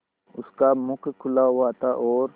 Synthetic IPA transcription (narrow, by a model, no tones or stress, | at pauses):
ʊskamʊkʰkʰʊlawat̪aʔɔːɾ